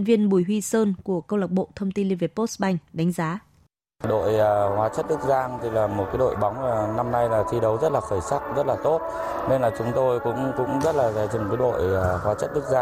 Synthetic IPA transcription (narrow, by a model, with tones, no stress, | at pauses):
nvi˧ənɓu˧˩jɦwi˧səː˧nku˧˩əkə˧wla˨˩k͡p̚ɓo̰˧˨t̪ʰə˧wŋ͡mt̪i˧nli˧ve˨˩po˦˥tsɓa˧˩jŋ̟ɗa˨˦ŋ̟zaː˨˦ | ɗo̰˧˨jːhwaː˨˦t͡ɕə˦˥t̚ɗɨ˦˥k̚zaː˧ŋt̪ʰi˧laː˨˩mo˨˩t̚kaː˨˦ɗo̰˧˨jɓa˨˦wŋ͡maː˨˩na˧mna˧jlaː˨˩t̪ʰi˧ɗə˨˦wzə˦˥t̚laː˨˩xəː˧˩jsa˦˥k̚zə˦˥t̚laː˨˩t̪o˦˥t̚ | ne˧nlaː˨˩t͡ɕʊ˨˦ŋ͡mt̪o˧jkʊ̰˧˥ŋ͡mkʊ̰˧˥ŋ͡mzə˦˥t̚laː˨˩zaː˨˩t͡ɕi˨˩ŋkəː˨˦ɗo̰˧˨jːhwaː˨˦t͡ɕə˦˥t̚ɗɨ˦˥k̚zaː˧